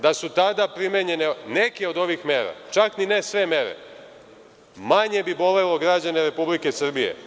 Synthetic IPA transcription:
d̪asut̪ad̪apɾimeɲe̞nene̞keo̞d̪o̞ʋixme̞ːɾa̰t͡ʃakninesʋe̞me̞ɾḛ | maɲe̞bibo̞le̞lo̞ɡɾad͡ʑane̞ɾe̞publike̞sr̩bijḛ

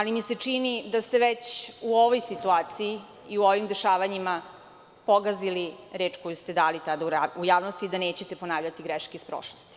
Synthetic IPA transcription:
alimiset͡ʂinid̪ast̪eʋet͡ɕuo̞ʋojsit̪uaːt̪siiː | uoʋimd̪eʃaːʋaɲima | poɡazili | ɾeːt͡ʂkojust̪e̞d̪aːlit̪ad̪auaujaːʋnost̪iːd̪aneːt͡ɕe̞t̪epo̞naːʋʎat̪iɡɾeʃkeispɾo̰ʃlost̪i̥

